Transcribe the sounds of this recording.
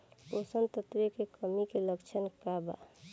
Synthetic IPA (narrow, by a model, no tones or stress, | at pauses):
posənt̪ət̪ɾekekəmikeləkt͡ʃʰənkaba̰